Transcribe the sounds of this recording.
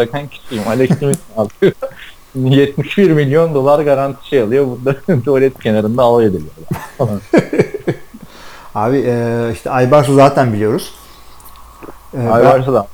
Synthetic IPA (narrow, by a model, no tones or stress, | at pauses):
akhancʰi̥sijimhalʲd̪aicʰimisalˠt̪ʰɯ | jɛt̪miʃbiɾmilʲjo̞nd̪o̞lˠaɾɡaɾant̪ʰi̥ʃealˠɯjobuɾd̪ad̪uolʲɛt̪̚cʰe̞naɾɯnd̪aːlˠajed̪elʲijod̪afalˠan | aːbiʔɛiʃt̪ʰɛajbaɾsuzaːt̪ʰænbilʲijo̞ɾuz̥ | ajbaɾsad̪a